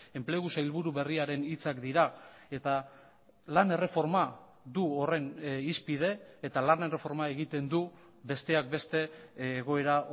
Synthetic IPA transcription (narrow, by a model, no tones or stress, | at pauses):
e̞mple̞ɣ̞usajlβuɾuβe̞riaɾe̞nit͡sakd̪iɾa | e̞t̪a | lane̞re̞fo̞ɾma | ðuore̞nispið̞e̞ːt̪alane̞re̞fo̞ɾmae̞ɣ̞it̪e̞nd̪u | be̞st̪e̞ak̚be̞st̪e̞ːɣ̞o̞e̞ɾa